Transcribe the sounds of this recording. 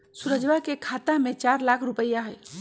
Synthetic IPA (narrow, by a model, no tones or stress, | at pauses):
suɾəd͡ʒʋakekʰat̪amet͡ʃaɾlakʰɾupəjːaɦəj